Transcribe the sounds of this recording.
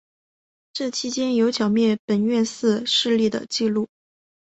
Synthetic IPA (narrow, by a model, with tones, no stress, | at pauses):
ʈ͡ʂɤ˥˩t͡ɕʰi˧˥t͡ɕjɛ˥njo˧˥ʊt͡ɕʰjɑ˨˩ʊmjɛ˥˩npə˨˩nɥɛ˥˧nsɹ̩˥˧ʂɻ̩˥˧li˥˩d̪ə̰˩t͡ɕi˥˧lu˥˩